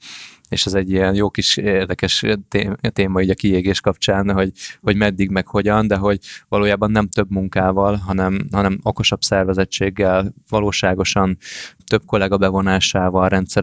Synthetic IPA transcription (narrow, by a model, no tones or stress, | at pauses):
eːʃɛzɛɟːijɛnjoːkiʃeːrd̪ɛkɛʃt̪et̪eːmɒiːɟɒkieːɡeːʃkɒpt͡ʃaːnɦo̞ɟho̞ɟmɛd̪ːiɡmɛkho̞ɟɒnd̪ɛɦo̞ɟvɒloːjaːbɒnːɛmt̪ø̞bmuŋkaːvɒlɦɒnɛmɦɒnɛmo̞ko̞ʃɒbsɛrvɛzɛt͡ʃːeːɡːɛlvɒloːʃaːɡo̞ʃɒnt̪ø̞b̚ko̞lɛɡɒbɛvo̞naːʃaːvɒlrɛnt̪sɛ